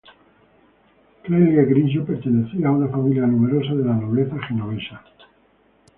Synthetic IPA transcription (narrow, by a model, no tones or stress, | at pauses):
kɾelɣeɣɾinʃ̬opeɾt̪eneθiaːunafamiljanume̞ɾos̬aðelanoβ̞leθaxenoβeʃa